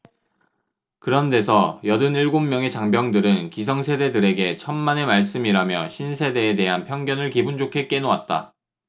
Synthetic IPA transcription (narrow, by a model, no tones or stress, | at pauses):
kɯɾʌnde̞sʰʌjʌdɯniɭɡomːjʌŋe̞t͡ɕaŋbjʌŋdɯɾɯnkis̬ʰʌŋsʰe̞de̞dɯɾe̞ɡe̞t͡ɕʰʌnmane̞maɭs͈ɯmiɾamjʌɕʰinsʰe̞de̞ːde̞ɦanpʰjʌŋɡjʌnɯɭkibund͡ʑokʰe̞k͈e̞nowat̚t͈a̰